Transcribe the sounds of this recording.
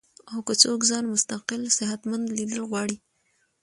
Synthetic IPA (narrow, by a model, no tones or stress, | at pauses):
awkət͡sokzɑnmʊst̪aqɪlsɪɦat̪mand̪lid̪əlɣwɑɽi